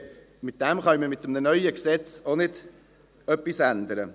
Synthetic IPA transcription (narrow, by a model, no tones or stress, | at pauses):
mɪt̚d̥̪ɛmχɑniməmɪt̪ːəmnənœʏəksɛt͡sonɪd̪ | œpːisænd̪əɾə